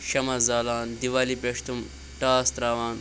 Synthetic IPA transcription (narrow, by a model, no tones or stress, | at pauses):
ʃɐmɐzaːlaːnd̪iʋaːlipɐʂt̪um | ʈaːst̪ɾaːʋaːn